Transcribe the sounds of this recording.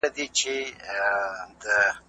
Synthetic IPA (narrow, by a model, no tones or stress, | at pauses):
ad̪it͡ʃe | d̪ə